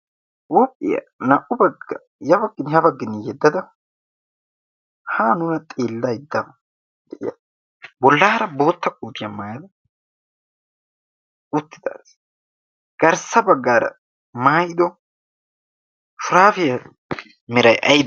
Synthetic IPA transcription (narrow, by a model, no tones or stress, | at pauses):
wɔpʼːɪ̰jɐ̰ | nɐʔʊbɐɡɐ | jɐbɐɡːɪnhɐbɐɡːɪnɪjɛd̪ːɐd̪ɐ | haːnʊɾɐt̪ʼeːlːɐjɪd̪ːɐmɐ | d̪ɛʔɪ̰jɐ̰ | bɔlːɐːɐɾɐbo̞ːt̪ːɐkʼːuːt̪ɪjɐmaːjɐd̪ɐ | ʊt̪ːɪd̪a̰ːs | ɡ̥ɐɾsɐbɐɡːaːɾɐ̰ | maːjɪd̪ɔ | fʊɾaːfɪjɐ | mɪɾɐjʔɐjɪd̪